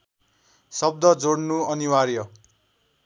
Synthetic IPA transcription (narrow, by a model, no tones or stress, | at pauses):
sʌb̚d̪ʌd͡zoɽnuʌniwarjʌ